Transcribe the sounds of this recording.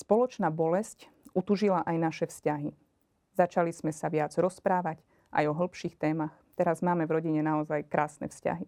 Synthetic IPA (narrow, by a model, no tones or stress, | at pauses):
spɔlɔt͡ʃnaːbɔlɛsc | ut̪uʒilaʔajnaʃɛfscaɦi | zat͡ʃaliz̥mɛsaʋɪad͡zɾɔspɾaːʋac | ʔa̰jɔɦl̩pʃiːxt̪ɛːmaxt̪ɛɾazmaːmɛvɾɔɟiɲɛnaɔzajkɾaːsnɛ̰fsca̰ɦi